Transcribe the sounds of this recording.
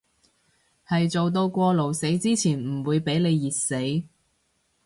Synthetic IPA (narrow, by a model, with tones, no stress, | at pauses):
hɐ˨jt͡so˨wt̪̬o˧wkʷɔː˧lo˨wse˨˥jt͡siː˥t͡sʰiː˨˩nm̩˨˩wuː˨˧jpe˨˥jle˨˧jːiː˨t̚se˨˥j